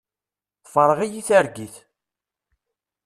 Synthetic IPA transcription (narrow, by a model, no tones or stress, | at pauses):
θfəɾˤəʁijiθæɾɡiθ